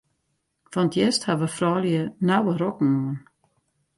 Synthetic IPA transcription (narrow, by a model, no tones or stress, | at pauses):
fɔnətjɛsthaʋəfrɔːljənawərɔkn̩uən